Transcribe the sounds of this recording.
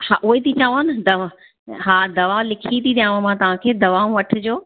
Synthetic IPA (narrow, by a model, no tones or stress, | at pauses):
ha̰ːʔʊɦet̪ʰit͡ɕaːʋanɪd̪ɐʋa | ɦaːd̪ɐʋalɪkʰit̪ʰiɗ̪ijãːʋomãt̪ɐʋ̤ãkʰeːd̪ɐʋaːũʋɐʈʰɪd͡ʑoː